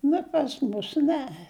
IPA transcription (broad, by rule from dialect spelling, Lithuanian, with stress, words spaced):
ˈnʊ pɐs ˈmʊs ˈnʲɛ